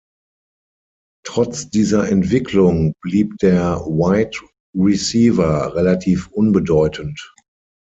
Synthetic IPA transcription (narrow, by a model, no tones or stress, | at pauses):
tʁ̥ɔt͡sd̥iːzɐʔɛntv̥ɪkʰlʊŋb̥liːp̚d̥eːɐwaɪt | ʁisiːvɐʁɛlatʰiːfʔʊnbədɔʏtʰənt